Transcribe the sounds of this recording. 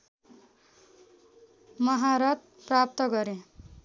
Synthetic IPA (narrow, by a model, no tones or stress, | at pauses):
mʌɦaɾʌt̪̚ | prap̚t̪ʌɡʌɾe